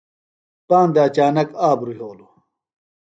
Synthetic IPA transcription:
paːnd̪aːt͡ɕaːnɐkaːbɾuɦoːlu

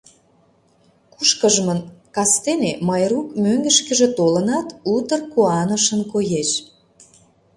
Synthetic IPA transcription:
kuʃkəʒmənkɑst̪eneməjɾukmøŋɡə̆ʃkə̆ʒĕt̪olənɑt̪ut̪ərkuɑnəʃənkojeʃ

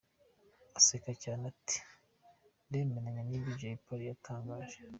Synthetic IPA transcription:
asekacaːnati̥ | ndeːmenaɲaniiɟajipaɾijatʰaːŋɡaːʒ̥e

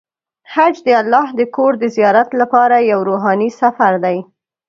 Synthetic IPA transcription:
had͡ʒd̪əalːɑhd̪əkoɾd̪əzijɑɾat̪lapɑɾajawɾoɦɑnisafaɾd̪aj

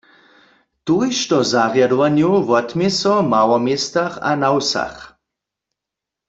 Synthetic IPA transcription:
t̪ujʃt̪ɔzaʁjadɔʋanjowvɔt̪mjɛsɔmawɔmjest̪aχa̰nawsa̰χ

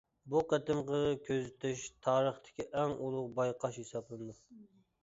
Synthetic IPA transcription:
buqæt̪ɪmqəkʲʰøzɪt̪ʰyʃt̪ʰɑːɾəχt̪ʰɪ̥kʲiʔɛŋulˠʊqbɑjqʰɑʃhesɑblˠɨnɨd̪u

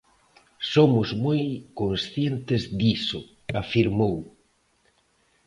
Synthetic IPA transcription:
somʊzmojkonsθjent̪ɪzd̪isʊ | afiɾmow

